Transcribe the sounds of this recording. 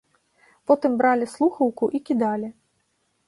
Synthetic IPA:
pɔt̪ɨmbɾalʲislˠuxɐwkuʔikʲid̪alʲi

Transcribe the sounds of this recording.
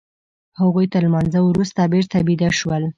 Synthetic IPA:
haɣujt̪almɑnzawɾust̪abeɾt̪abid̪aʃwəl

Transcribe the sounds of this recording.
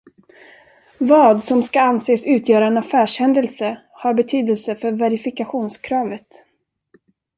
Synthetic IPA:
vɑːd̪sɔmskaanseːsʉ̟ːt̪ʰjœːɾaɛnafæːʂhɛnd̪əlsə | haɾbɛt̪ʰyːd̪əlsəfœɾvɛɾɪfɪkaɧuːnskʰɾɑːvət̪

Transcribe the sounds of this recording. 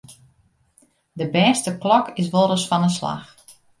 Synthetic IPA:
dəbɛːstəklɔkɪs̬ʋoɾəsfɔnəsla̰x

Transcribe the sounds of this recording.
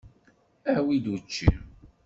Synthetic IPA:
æhwid̪ut͡ʃːḭ

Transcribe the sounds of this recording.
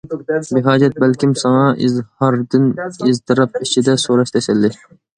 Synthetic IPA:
bɪɦɑːd͡ʒɛt̪̚bælkʲimsɑŋɑʔizhɑɾd̪ɨnizt̪ɨɾɑp̚it͡ʃʰid̪ɛsoɾɑʃt̪ʰɛsælːɪ

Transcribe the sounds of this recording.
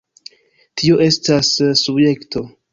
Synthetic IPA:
tʰio̞ʔe̞stasːubje̞ktʰo̞

